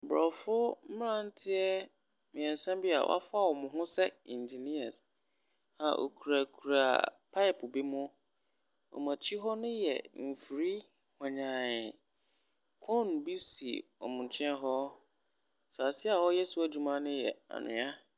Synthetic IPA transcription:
bɾɔ˨fʊ˦m̩˦mɪ̃˦ɾã˦n̩˦tʰɪ˦ɛ˦ | mɪ̃˨ɛ̃˨n˨sã˦mbi˦a̰˨wɔ̰˦a̰˦fa˦˨wɔ˨mʊ̃˨ɦʊ̃˦sɛ˦ĩ˨nd͡ʑi˨ni˦a˨s | hã̰˨ʔo̰˨kʰu˨ɾa˨kʰu˨ɾa˨pʰa˦ɪ˨pʰbi˦mʊ̃˦ | ɔ̰˨mã˨t͡ɕʰi˦ɦɔ˦nʊ̃˦jɛ̰˨m̩˨fi˨ɾi˦ | hã˨ɲã˨ɪ˨ | kʰɔ̃˦˨n˨bi˦si˨ɔ̰˨mʊ̃˨n˨t͡ɕʰɛ̃˦ɦɔ˦ | sa˨sɪ˦a˨wɔ˦jɛ˦sʊ˦a˦d͡ʑu˨mã˦nɪ̃˦jɛ̰˨a̰˨nɪ̰̃˨a˦

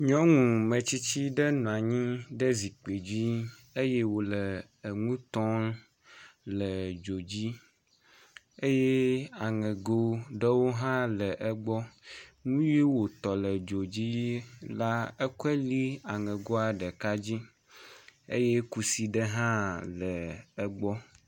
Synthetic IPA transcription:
ɲɔ̃˦ŋũ˨mə̃˨t͡ɕi˦t͡ɕi˦ɖə˦nũ˨a˨ɲĩ˦ɖə˦zi˨k͡pe˨d͡ʑi˦ | e˦je˦wo˨ləː˨ | ŋũ˦t̪ɔ̃˦n | lə˨d͡ʒo˨d͡ʑi˦ | e˦je˦a˨ŋɛ̃˨ɡo˦ɖə˦wo˦ɦã˦lə˨ʔɛ˦ɡ͡bɔ˦ŋũ˦ji˦wo˨t̪ɔ˨lə˨d͡ʒo˨d͡ʑi˦la˦ɛ˦ku˦ɛ˦li˦a˨ŋɛ̃˨ɡo˦a˨ɖə˨ka˦d͡ʑi˦ | ḛ˦je˦ku˦si˦ɖə˦ɦã˦ləː˨˦ɡ͡bɔ˦

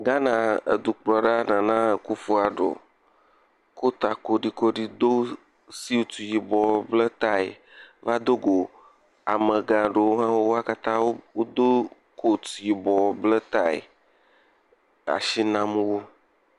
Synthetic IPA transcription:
ɡa˦nã˨ḛ˨d̪u˨k͡plɔ˨ɖa˦nã˨nã˦e˨ku˦fu˦a˨ɖo̰˨ | ko˦t̪a˨ko˦ɖi˦ko˦ɖi˦d̪o˦ | si˦o˦t̪u˨ji˨bɔ˨blə˦t̪a˦ḛ˨ | va˦d̪o˦ɡo˨ | a̰˨mə̃˨ɡã˨ɖe˨wo˦ɦã˦wo˦wo˦a˦ka˦t̪ã˦wo˦wo˦d̪o˦ | kʰo˦˨t̪u˨ji˨bɔ˨blə˦t̪a˦ḛ˨ | a̰˨ʃi˦nã˦m˦wo˦

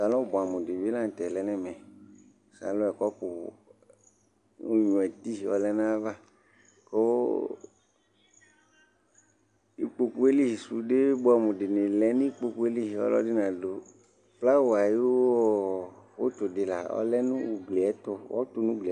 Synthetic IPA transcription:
sa˨lɔ̃˦bɔ˨a˨mũ˨di˨vi˦lã˦ŋ̩˨t̪ɛ˨lɛ˨˦nɛ̃˦mɛ̃˨ | sa̰˨lɔ̃˦ɛ˨kɔ˦po˨ | u˦ɲɔ̃˨ɛ˨t̪i˦˨wɔ̰˦lɛ˦nã˦va˦ | ko˦ | i˦k͡po˦ku˦e˦li˦i˨su˨ɖe˦bo˦a˨mũ˨di˨nẽ˨lɛ˨˦nĩ˦i˦k͡po˦ku˦e˦li˦˨wɔ̰˦lɔ̰˦di˦nã˨do˨ | pla˦wo˨a˨ji˦wwo˦t̪o˨di˨la˨ɔ̰˦lɛ˦nũ˦˨ɡ͡ble˨ɛ˦t̪o˦wɔ̰˦t̪o˦nũ˦ɡ͡ble˨

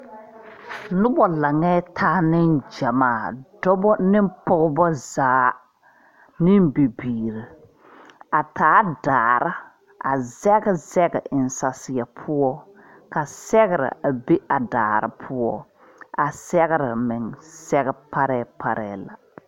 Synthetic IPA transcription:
nʊ˦bɔ˨la˨ŋɛ˦tʰaː˦nɪ˦nd͡ʒa˨maː˦˨dɔ˦bɔ˦nɪ˦m˦pɔ˦ɣbɔ˦zaː˨˦ | nɪ˦mbi˨biː˨ɾɨ˨ | a˨taː˨˦daː˨ɾa˦ | ʔa̰˨zɛ˦ɡɪ˦zɛ˦ɡɛ̰˨ʔɪ˨n˨sa˨sɪ˨ja˨pʰʊ˦ɔ˦ | ka˨sɛ˦ɣɪ˨ɾɪ̰˨a˨be˦a˨da̰ː˨ɾɪ̰˨pʰʊ˦ɔ˦ | a˨sɛ˦ɣɪ˦ɾɪ˨mɪ˨ŋsɛ˦ɣɛ˦pa˦ɾɛː˦pa˦ɾɛː˨la̰˨

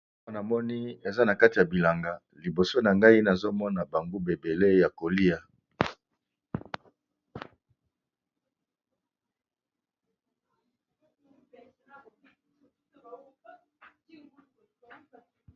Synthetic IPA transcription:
a˦na˨mɔ˦ni˦e˨za˦na˨ka˦ti˨ja˨bi˨la˨ŋɡa˨ | li˨bo˨so˦na˨ŋɡa˦i˦na˨zo˦mɔ˦na˨ba˨ŋɡo˦be˨be˨le˦ja˨ko˨li˦a˨

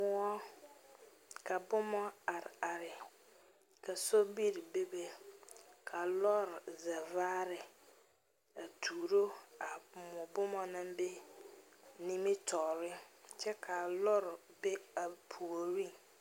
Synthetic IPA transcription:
mʊ̃˨˦ɔ˦ | kʰa˨bʊ˦mɔ̃˦a˨ɾa˨ɾɪ˨ | kʰa˨sɔ˦bi˦ɾɪ˨be˦be˦ | kʰa˨lɔ˦ɾza˨vaː˦ɾɪ˨ | a˨tʰuː˨ɾo˦a˨mʊ̃˨bʊ˦mɔ̃˨nʊ̃˦mbe˦ | nĩ˦mĩ˦tʰɔ˨ɾɪ˦t͡ʃʰɛ˦kʰa˨lɔ˦ɾbe˦a˨pʰu˨o˨ɾi˦

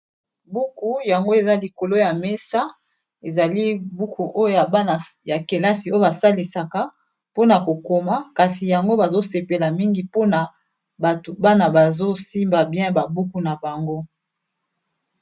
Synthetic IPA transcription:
bu˦ku˦ja˨ŋɡo˦e˨za˦li˨ko˨lo˦ja˨me˦sa˦ | e˨za˨li˦bu˦ku˨ʔo˦o˦ja˨˦˨ja˨ke˨la˦si˨o˦ba˨sa˦li˨sa˨ka˨ | po˦na˨ko˨ko˨ma˦ka˨si˨ja˨ŋɡo˦ba˨zo˦se˨pe˨la˨mi˦ŋɡi˨po˦na˨ | a˨tba˦na˨ba˨zo˦si˦mba˨bjɛ̃˦ba˨bu˦ku˦na˨ba˨ŋɡo˦

